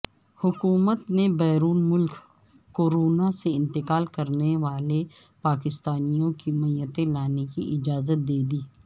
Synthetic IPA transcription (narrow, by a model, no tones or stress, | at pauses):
hʊkuːmət̪nebɛːɾuːnmʊlk | kːoːɾoːnaseɪ̃nt̪ɪkaːlkɐɾneʋaːle | paːkɪst̪aːnijõkimɐjət̪elaːnekiʔɪd͡ʒaːzət̪̚d̪eːd̪iː